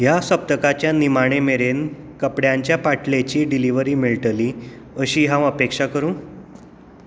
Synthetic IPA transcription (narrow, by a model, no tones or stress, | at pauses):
ɦjasəp̚t̪əkat͡ɕjanimaɽ̃emeɾen | kəpɽjaɲt͡ɕjapaʈʰlet͡ɕiːɖiliʋəɾiːmiɭʈəliː | əɕiːɦãʋəpekʂakəɾũː